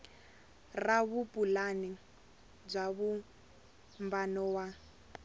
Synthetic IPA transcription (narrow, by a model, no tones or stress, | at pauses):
raβupʼulani | b͡ʐaβu | mbanɔwa